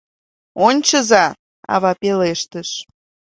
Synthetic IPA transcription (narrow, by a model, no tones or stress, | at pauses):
onʲt͡ɕəzɑ | ɑ̰βɑpeleʃt̪əʃ